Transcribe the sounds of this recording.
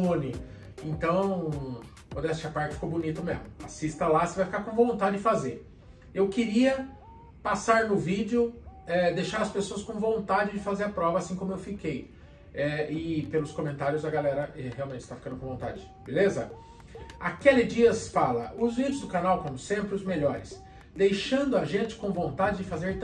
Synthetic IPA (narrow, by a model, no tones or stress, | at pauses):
õnɪ | ẽnt̪ɐ̃w̃ | od̪ɛst͡ʃɐpaɾt͡ʃɪfi̥kowbʊnit̪ʊmezmʊa̰sist̪ɐlasɪvajfikaɾkõvõlũnt̪ad͡ʒɪd͡ʒɪfazeɾ | ewkɪɾiɐ | pasaɾnʊvid͡ʒɪʊɛd̪ejʃaɾɐspesoɐskõvõnt̪ad͡ʒɪd͡ʒɪfazeɾɐpɾɔvɐasĩkõmʊewfikej | ɛɪpelʊskõmẽnt̪aɾjʊzɐɡalɛɾɐʔɛheawmẽt͡ʃɪ̥st̪afi̥kɐ̃nd̪ʊkõvõt̪a̰d͡ʒɪ | belezɐ̰ | akelɪd͡ʒiɐsfalɐʊzvid͡ʒɪʊzd̪ʊkanawkõmʊsẽmpɾɪʊzmeʎɔɾɪs | d̪ejʃɐ̃nd̪ʊaʒẽnt͡ʃɪ̥kõw̃võnt̪ad͡ʒɪd͡ʒɪfazeɾt̪